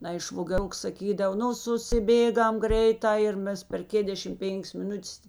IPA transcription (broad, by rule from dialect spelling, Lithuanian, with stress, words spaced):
ˈnɐɪ ʃʋoːɡʲɛˈrʊks sɐˈkʲiːdɐw ˈnʊ sʊsʲɪˈbʲeːˌɡɐm ˈɡrʲɛɪˌtɑː ɪr ˈmʲɛs pʲɛr ˈkʲeːdʲɛʃʲɪm ˈpʲeːŋʲkʲs mʲɪˈnʊtʲɛs